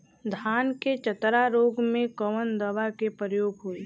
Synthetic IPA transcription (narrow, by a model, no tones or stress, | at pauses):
d̪ʱaːnket͡ʃət̪ɾaɾoːɡmẽkɔʋənd̪əʋakepɾəjoːɡɦuːi